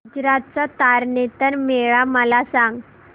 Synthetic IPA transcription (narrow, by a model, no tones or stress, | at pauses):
ud͡zɾat̪̚t͡sat̪aɾnet̪ənmeɭaməlasãŋɡ